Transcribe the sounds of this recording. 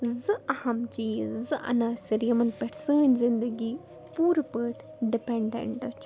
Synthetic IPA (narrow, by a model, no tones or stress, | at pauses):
zɨʔɐhɐmt͡ʃiːzɨʔɐ̰nɐsiɾijɐmɐnpɛʈʰsəːnʲzind̪ɐɡiː | puːɾpəːʈ | ɖipeɳɖḛɳʈɐt͡ʃʰ